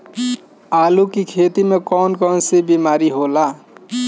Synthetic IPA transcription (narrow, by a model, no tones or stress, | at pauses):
alukikʰet̪imekɔnkɔnsibimaɾiɦola